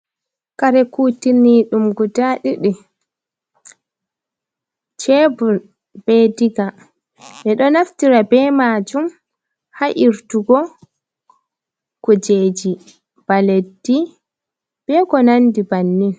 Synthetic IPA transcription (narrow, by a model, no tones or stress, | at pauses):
kaɾɛkuːtinːiɗumɡudaɗiɗi | t͡ʃɛbu | b̥ɛdiɡa | ɓɛɗɔnaftiɾabɛmaːd͡ʒum | haʔiɾtuɡɔ | kɔd͡ʒed͡ʒi | b̥aledːi | b̥ɛkɔnandibanːin